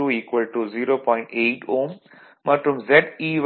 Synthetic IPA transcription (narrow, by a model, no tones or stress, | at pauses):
uːiːkʋəlʈuziːɾoːpɔ̃ɪ̃ɳʈeːʈoːm | mɐʈɾũmzɛʈiːʋ